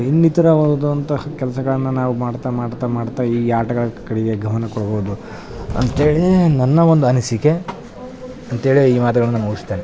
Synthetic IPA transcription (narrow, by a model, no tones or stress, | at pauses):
inːit̪ɐɾɐʋod̪ɐnt̪ɐkɛlɐsɐɡɐɭɐnːɐnaːʋumaːɽt̪amaːɽt̪ɐmaːɽt̪aiːaːʈɐɡɐɭɐkɐɽiɡeɡʱɐmɐnɐkɔɽɐboːd̪u | ɐ̰nt̪eːɭinɐnːɐʋond̪uɐnisike | ɐnt̪eːɭiiːmaːt̪̬ɐɡɐɭɐnːɐmuːɡist̪eːne